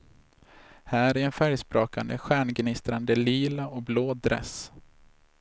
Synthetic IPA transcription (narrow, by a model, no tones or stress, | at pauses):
hæːɾæɾɛnfæɾjspɾoːka̰nd̪ə̰ɧæːɳɡnɪst̪ɾand̪əliːlaɔkbloːd̪ɾɛ̰s